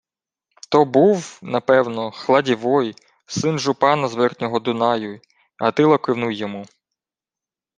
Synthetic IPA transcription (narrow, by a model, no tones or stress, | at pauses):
t̪ɔbuwnɐpɛwnɔxlˠɑdʲiʋɔj | sɪnʒʊpɑnɐzʋɛrt̪ʲnʲɔɦɔd̪ʊnɑjʊ | ɐt̪ɪlˠɐkɪwnujːɔmu